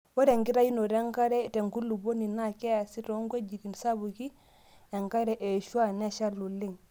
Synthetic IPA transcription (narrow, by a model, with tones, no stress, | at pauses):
wo˦ɾe˨ŋɡi˦ɾa˦ji˦no˨ɾe˦ŋka˦ɾɛ˦˨te˨ŋɡu˦lːu˨bo˦ni˨na˦ke˦ja˨si˦ɾo˦ŋɡʷe˦d͡ʒi˨ɾi˨nsa˦bu˨ki˦ | e˨ŋka˦ɾɛ˨ʔe˨ʃu˦a˦˨ne˦ʃa˦lːu˨li˦ŋ